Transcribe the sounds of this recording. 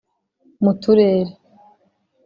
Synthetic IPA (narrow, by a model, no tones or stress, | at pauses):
mutuɾeːɾe